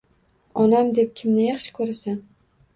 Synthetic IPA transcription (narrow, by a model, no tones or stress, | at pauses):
ɒnamd̪e̞p̚kʲʰɪmnɪjɑχʃɪ̥kʰɵɾasan